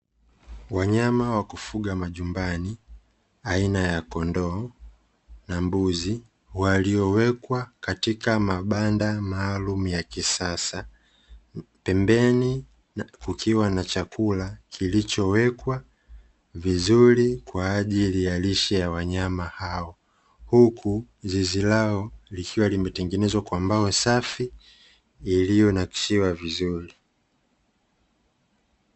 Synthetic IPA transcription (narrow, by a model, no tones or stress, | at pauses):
waɲamawakufuɠamaʄumbani | ainajakɔndɔ | nambuzi | waliɔwɛkwakatikamaɓandamaːlumujakisasa | pɛmbɛni | kukʰiwanat͡ʃakʰulakʰilit͡ʃɔwɛkwa | vizuɾikwaːʄilijaliʃɛjawaɲamahaɔ | hukʰu | zizilaɔlikʰiwalimɛtɛŋɡɛnɛzwakwambaɔsafiː | lijɔnaki̥ʃiwavizuɾi